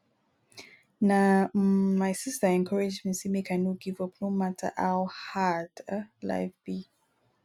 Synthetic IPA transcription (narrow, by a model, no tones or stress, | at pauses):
na | maɪsistəɛ̃ŋkʰɔɹɪd͡ʒmĩnsimikʰãnoɡivʌpnomatʰə̰ʔaʊhadəla̰ɪvb̥i